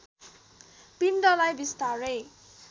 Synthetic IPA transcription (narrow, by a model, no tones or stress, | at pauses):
pimdʌlajbist̪aɾe